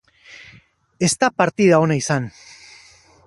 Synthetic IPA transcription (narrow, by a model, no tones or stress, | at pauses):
e̞st̪apaɾt̪iðao̞naisan